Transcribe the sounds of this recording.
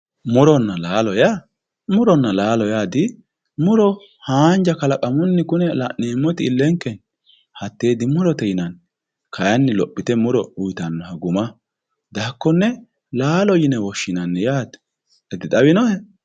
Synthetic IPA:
mʊɾɔnːɐlaːlɔja | mʊɾɔnːɐlaːlɔjaːd̪ɪ | mʊɾɔ | haːnd͡ʒɐkɐlɐkʼɐmʊnːɪkʊnɛlɐ̰ʔneːmːɔt̪ɪːlːɛŋkːɛn | hɐt̪ːe̞ːd̪ɪmʊɾɔt̪ɛjɪnɐn | kʰɐjɐnːɪlɔpʼːɪt̪ɛmʊɾɔʊjt̪ɐnːɔhɐɡʊmɐ | d̪aːkːɔnːɛ | laːlɔjɪnɛwɔʃːɪnɐnːɛjaːd̪ | ɛd̪ɪd̪ɐwɪnɔhɛ

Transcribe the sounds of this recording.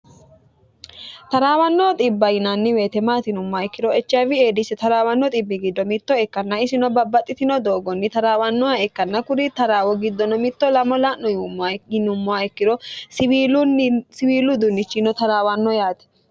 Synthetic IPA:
t̪ɐɾaːwɐnːɔt̪ʼɪbːɐjɪnanːɪweːt̪ɛmaːt̪ɪnʊmːɔaɛkːɪɾɔɛt͡ʃːɐvɪeːd̪ɪsɛt̪ɐɾaːwɐnːɔt̪ʼɪbːɪɡɪd̪ːɔmɪt̪ːɔɛkːɐnːɐɪsɪnɔbɐbːɐt̪ʼːɪt̪ɪnɔd̪o̞ːɡɔnːɪt̪ɐɾaːwɐnːɔɐɛkːɐnːɐkʊɾit̪ɐɾaːwɔɡɪd̪ːɔnɔmɪt̪ːɔlɐmɔlaːnːɔjnʊmːɔɐɛkːɪɾɔs | sɪwiːlʊd̪ʊnːɪt͡ʃːɪnɔt̪ɐɾaːwɐnːɔjaːt̪ɛ̥

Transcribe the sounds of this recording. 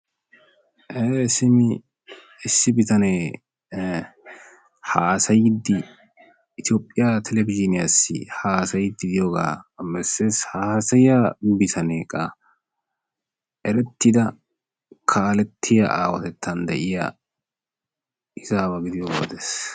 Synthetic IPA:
ʔesɪmɪ | ɪsːɪbɪt̪ɐne | haːsɐjd̪ːɪː | t̪ɪoːpʼːɪjat̪ʰɛlɛvɪd͡ʒɪnɪjasːɪ̰haːsɐjd̪ːɪd̪ɪjoːɡa̰ːmɛsːeːshaːsɐjabɪt̪ʰɐneːkʼːɐ | ʔɛɾɛt̪ːɪd̪ɐ | kʰaːlɛt̪ʰːɪjɐ̰ʔaːwɐt̪ɛt̪ʰːɐnd̪ɛʔɪja̰ | ɪzaːβɐɡɪd̪ɪjoːɡaw̰d̪es

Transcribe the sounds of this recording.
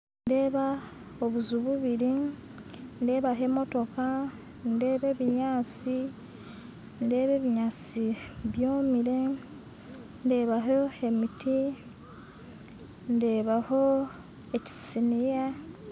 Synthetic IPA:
nde̞ːβa | oβuzuβuβiɾi | nde̞ːβaɦe̞mo̞to̞ka | nde̞ːβe̞βiɲaːt͡si | nde̞ːβe̞ːβiɲaːt͡siβjoːmiɾe | nde̞ːβaɦoe̞miti | nde̞ːβaho̞ | e̞ci̥sinija

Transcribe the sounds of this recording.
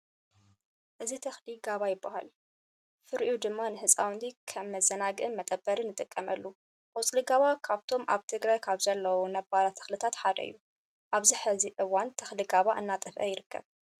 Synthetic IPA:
ʔɨzit̪ʰɐxliɡaβajɪbːaha̰l | fɨɾʔud̪ɨmːanɨhɨsʼawnd̪ikʰɐmːɐzɐnaɡɨʔɨnmɐt̪ʼɐbːɐɾɨnːɨt̪ʼɨkʼːɐmɐlːu | ʔʼɔt͡sʼliɡaβakʰaβt̪ʰo̞mʔa̰βt̪ʰɨɡɾajkʰaβzɐlːɐwunɐbːalat̪ʰɐ̥xlɨt̪ʰat̪ħad̪ɐ̰ɨ̰jːu | ʔaβziħɨziʔɨwant̪ʰɐxliɡaβaʔɨnːat̪ʼɨfʔɐ̰jɪɾɨkʰːɐ̰β

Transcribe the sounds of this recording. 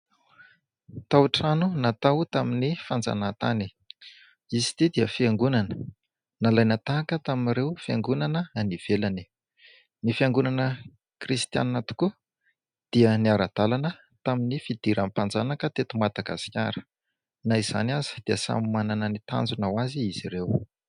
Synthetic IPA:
t̪awʈ͡ʂanunat̪awt̪aminifand͡za̰nat̪ani | izit̪id̪iəfiaŋɡunanə̥ | nalajnat̪akət̪aminɾewfiaŋɡunanəaniv̥elani̥ | nifiaŋɡunanə | krist̪ia̰nːat̪u̥ku | d̪̥iəniaɾad̪̥alanə | t̪aminifid̪̥iɾanmpand͡zanakət̪et̪umad̪̥aɡa̰skʲa̰ɾə̥ | naiz̥a̰niazi̥d̪̥iəsa̰mmananənit̪a̰nd͡zunawaziizirew

